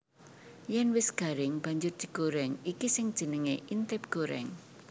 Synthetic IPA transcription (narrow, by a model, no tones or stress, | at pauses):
jɛnwɪsɡ̥a̤ɾɪŋb̥ä̤ɲd͡ʒʊrd̪̥i̤ɡ̥oɾɛŋikisɪŋd̥ʒ̥ə̤nəŋeʔint̪ɪp̚ɡ̥oɾɛ̰ŋ